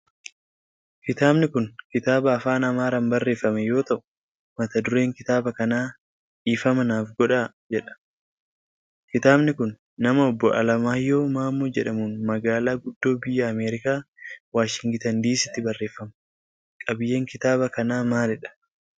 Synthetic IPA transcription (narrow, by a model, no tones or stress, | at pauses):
kɪt̪aːbnɪkʊnkɪt̪aːbɐːfaːnɐmaːɾɐmbɐrːeːfːɐmɛjo̞ːt̪ɐʔʊ̥ | mɐt̪ɐd̪ʊɾe̞ːŋkɪt̪aːbɐkɐnaː | iːfɐmɐnaːfɡɔᶑa | d͡ʒɛᶑɐ̥ | kɪt̪aːbnɪkʊnː | ɐmɐɔbːɔʔɐ̰lɐmaːjːo̞ːmaːmːuːd͡ʒɛᶑɐmunmɐɡaːlaːɡʊd̪ːo̞ːbɪjːɐːmeːɾɪkaːwaːʃɪŋɡt̪ɐnd̪iːsɪt̪ːɪbɐrːe̞ːfːɐm | kʼɐbɪjːe̞ːŋkɪt̪aːbɐkɐnaːmaːlɛᶑɐ̥